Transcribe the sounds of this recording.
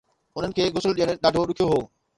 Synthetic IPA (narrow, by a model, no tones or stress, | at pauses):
ʊn̤ənɪ̆kʰeːɡʊsəlɗijəɽ̃ɗaːɖʱoɗʊkʰijoɦoː